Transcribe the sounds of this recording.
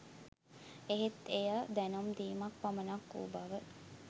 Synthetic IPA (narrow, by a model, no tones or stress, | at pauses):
eɦet̪ejad̪ænomd̪iːmak̚pamənakːṵːbaʋə